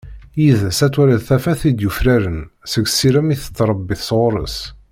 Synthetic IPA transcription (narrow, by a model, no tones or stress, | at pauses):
jiðəsæt̪ːwæɾæðθæfæθid̪jufɾæɾənsəɡsiɾæmiθə̥t͡sːɾˤəbːiθsʁʊɾˤə̰s